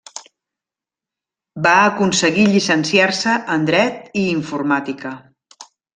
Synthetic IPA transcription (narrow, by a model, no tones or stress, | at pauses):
baəkunsəɣiʎisənsiarsəʔənd̪ɾɛt̪iːɱfurmat̪ikə